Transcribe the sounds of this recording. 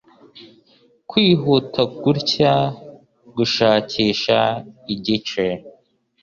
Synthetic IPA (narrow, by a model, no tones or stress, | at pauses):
kwiːɦutʰaɡuɾca | ɡuʃaːcʰiːʃaiɟit͡ʃe